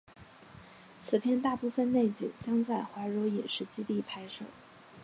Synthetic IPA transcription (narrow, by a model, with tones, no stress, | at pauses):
t͡sʰɹ̩˨˩pʰjɛ˥˧nt̪a˥˧pu˥˩fə˨˧nne˥˩ɪt͡ɕḭ˨˩ŋt͡ɕjɑ˥ŋt͡sa˥˩ɪxwa˧˥ɻo˧˥ʊi˨˩nʂɻ̩˧˥t͡ɕi˥t̪i˥˩pʰa˥ɪʂɤ̰˨˩˦